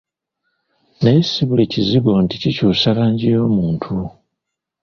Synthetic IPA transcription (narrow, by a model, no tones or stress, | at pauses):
nesiβuleciziβonticicuːsalaːɲɟijo̞ːmuːntʰu